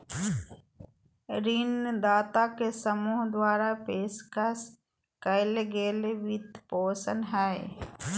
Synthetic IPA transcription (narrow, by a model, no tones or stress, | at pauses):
ɾind̪aːt̪akesəmuːɦd̪waːɾapeːskəs | kəɪleɡeːleʋɪd̪poːsənɦɛe